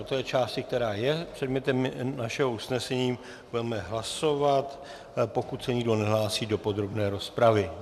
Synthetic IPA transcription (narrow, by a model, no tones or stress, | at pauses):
ot̪ojɛt͡ʃaːscɪk̚t̪ɛɾaːjɛpr̝̥ɛdmɲɛt̪ɛmnaʃɛɦousnɛsɛɲiː | budɛmɛɦlaso̞vat̪ | po̞kut̪sɛɲɪɡdo̞nɛɦlaːsiːdo̞po̞d̪ɾo̞bnɛːɾo̞spɾavɪ